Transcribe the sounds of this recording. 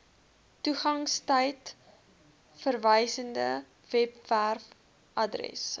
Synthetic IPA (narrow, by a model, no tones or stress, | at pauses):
tuχɐŋstəjt | fərvəjsəndə | vɛpværf | ʔɐdrɛ̰s